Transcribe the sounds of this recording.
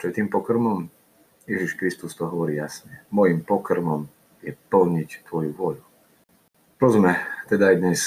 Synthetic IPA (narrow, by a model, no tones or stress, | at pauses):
t͡ʃɔjɛt̪iːmpɔkr̩mɔm | jɛʒiʃkɾist̪ust̪ɔɦɔʋɔɾiːjasɲɛmɔjimpɔkr̩mɔm | jɛpəlɲict̪ʋɔjuʋʊɔʎu | t̪ɔzmɛt̪ɛd̪aːjd̪ɲɛs